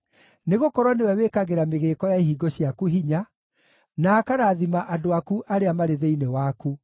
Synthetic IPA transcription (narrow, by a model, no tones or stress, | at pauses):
neɣokɔɾwanewɛwekaɣeɾameɣeːkɔjaiɦiɡoɕiakuɦiɲa | naːkaɾaːðimaʔadoakuʔaɾeamaɾeðeinewaku